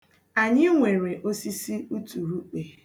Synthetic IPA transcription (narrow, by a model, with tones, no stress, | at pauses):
a˨ɲɪ˦ŋʷe˨ɾe˨ʔo˦si˦si˦u˦tu˨ɾu˦k͡pe˨